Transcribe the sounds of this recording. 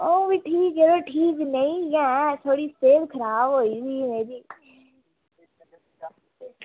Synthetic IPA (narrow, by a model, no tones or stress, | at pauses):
oːʋiʈʰiːkɦɛːɾoʈʰiːknɐĩjãːt̪ʰoːɽiseːlkʰəɾaːbɦoːisiːmeːɾiː